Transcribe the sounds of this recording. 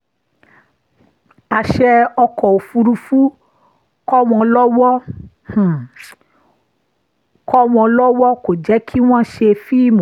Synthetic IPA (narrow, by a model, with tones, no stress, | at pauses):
a˨ʃɛ˧ɔ˧kɔ˨o˨fu˧ɾu˧fu˦ | kɔ˦w̃ɔ̃˧lɔ˦wɔ˦ | h̩˨ | kɔ˦w̃ɔ̃˧lɔ˦wɔ˦ko˨d͡ʒɛ˨˦kʰi˦w̃ɔ̃˦ʃe˧fi˦i˦˨mo˨